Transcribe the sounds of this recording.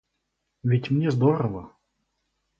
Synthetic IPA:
vʲɪtʲmnʲɛzd̪ɔɾəvə

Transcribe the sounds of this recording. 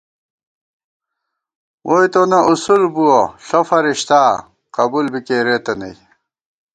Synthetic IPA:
wʔojt̪onɐʔusulbuwoɬofɐɾiɕt̪aː | qɐbulbikeːɾet̪ɐnɐ̰j

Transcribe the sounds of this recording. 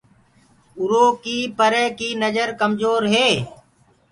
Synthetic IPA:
ʊɾoːkiːpəɾeːkiːnəd͡ʒəɾkəmzoːɾɦeː

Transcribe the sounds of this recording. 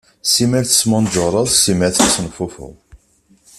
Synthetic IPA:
simæɾθə̥smʊnd͡ʒʊɾˤəðˤsimæθæsnfʊfʊ̰ʁ

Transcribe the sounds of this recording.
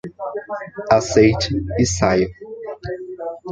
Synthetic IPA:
asejt͡ʃɪɪsajʊ

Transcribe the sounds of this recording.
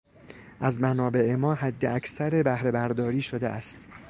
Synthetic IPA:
ʔæzmænɒːbe̞ʔemɒːhæd̪ːeʔækʰsæɾe̞bæhɾe̞bæɾd̪ɒːɾiːʃo̞d̪eʔæst̪

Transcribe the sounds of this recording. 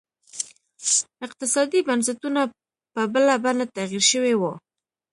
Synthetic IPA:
ɪq̚t̪ɪsɑd̪ibansɪt̪una | pəbəlabanat̪aɣiɾʃəwewo

